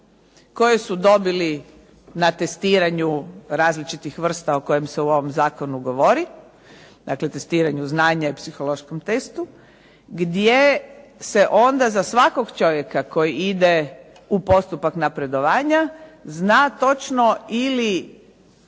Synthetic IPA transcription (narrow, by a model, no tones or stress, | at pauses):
ko̞jesud̪o̞bili | nat̪e̞st̪iːɾaɲuɾaːzlit͡ʃit̪ixʋr̩st̪aoko̞jemseuo̞ʋo̞mzaːkonuɡo̞ʋoɾi | d̪akle̞t̪e̞st̪iːɾaɲuznaːɲaipsixolo̞ʃkomt̪e̞st̪u | ɡd̪je̞se̞ʔo̞nd̪azasʋako̞ɡt͡ʃo̞ʋje̞kako̞jiid̪e | upo̞st̪upaknapɾe̞d̪o̞ʋaːɲaznaːt̪o̞t͡ʃnoili